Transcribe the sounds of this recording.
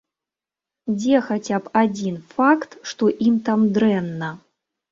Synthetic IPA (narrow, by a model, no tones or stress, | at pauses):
d͡zʲɛxat͡sʲapad͡zʲinfakt̪ʂt̪ɔʔimt̪amd̪ɾɛnːɐ